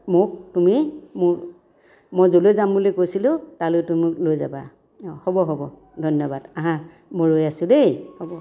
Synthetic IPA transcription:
mʊktumimʊ | mojzolojzambulekojsilʊtalojtumuklojzaba | hɔbɔɦɔbɔ | dʱɔnjɔbadaɦã | moɹojasʊ̃dejhɔbɔ

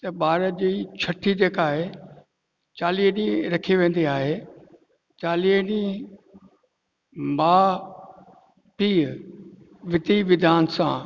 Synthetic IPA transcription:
t̪ɐɓaːɾəd͡ʑiːt͡ɕʰɐʈʰid͡ʑeːkaːɦe | t͡ɕaːliːɦɗĩɾɐkʰiʋẽːn̆d̪iaːɦe | t͡ɕaːliːɦɗĩ | maː | piː | ʋɪt̪iʋɪd̪ʱaːnsã

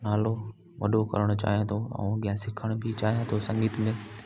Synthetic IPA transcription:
naːlo | ʋɐɗokɐ̰ɾəɽ̃ʊt͡ɕa̰ːɦijãt̪ʰoɛ̰̃ɠijãsɪkʰəɽ̃bʱɪt͡ɕaːɦijãt̪ʰosɐ̃ŋɡiːt̪mẽ

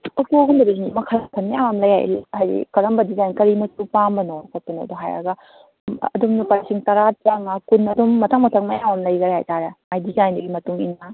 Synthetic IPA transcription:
okeoɡumdɐbɐzinimɐkʰaltʰɐnmɐjaŋwamlɐjha̰jhajḭkɐɾɐmbɐdizajnkɐɾimɐsupambɐnɔkʰot̚pɐnɔ̰dɔɦajɐ̰ɡɐ | ɐ̰dumnupaɾisiŋtɐɾat͡ʃaŋakunɐdumːɐtʰaŋmɐtʰɐŋmɐjamamlɐjɡɐɾeha̰jtaɾemajdizajndɐɡimɐtuŋḭnɐ

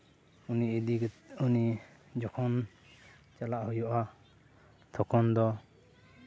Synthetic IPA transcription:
uniid̪iunid͡ʒɔkʰɔn | t͡ʃalaʔhujɔʔa | t̪ʰɔkʰɔnd̪ɔ

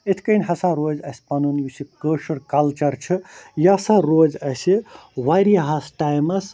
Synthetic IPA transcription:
et̪ʰkɐnʲɦɐsaɾoːd͡ʒɐsʲpɐnunjusikəːʃɐɾkɐlt͡ʃɐɾt͡ʃʰɨjasaɾoːd͡ʒɐsiwaɾɦasʈajmɐs

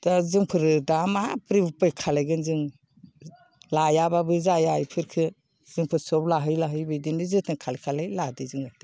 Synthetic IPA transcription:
d̥azɯŋpʰɯɾdamapɾibpɯjkʰalajɡɯnzɯŋ | lajababɯzajajpʰɯɾkʰɯ | z̥ɯŋpʰɯɾsɔblaɦɯjlaɦɯjbɯjdinizɯtʰɯŋkʰalajkʰalajladɯzɯŋati

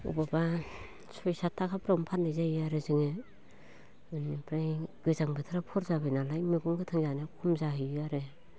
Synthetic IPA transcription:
ṵbaba | sɔjsatʰːakʰapɾampʰatnɯjzajaɾezɯŋe | ɯnipɾajɡɯzaŋbɯtʰɯɾapʰɔɾzabajnalajmibuŋkʰɯtʰɯŋzanekʰumzaɦɯjjaɾe

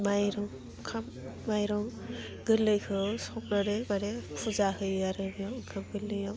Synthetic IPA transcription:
majɾɔŋ | kʰamː | ajɾɔŋ | ɡɯlːɯjkʰɯsɔp̚naɾɯmaɾepʰuzakʰɯjaɾɯbijɔkʰamɡɯlːɯjaw

